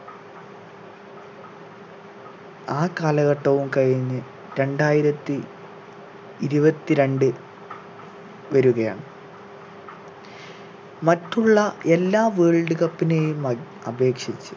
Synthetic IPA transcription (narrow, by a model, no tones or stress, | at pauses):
aːkaːlɐɣɐʈːɐʋumkɐɻiɲːɨ | ɾe̞ɳɖaːjiɾɐt̪ːi | ɾubɐt̪ːiɾe̞ɳɖɨ | ʋɐɾuɣɐja̰ːɳɨ | mɐtːuɭːɐe̞lːaːʋeːɭɖuɣɐpːine̞ːjum | ɐbe̞ːkʂit͡ɕːu̥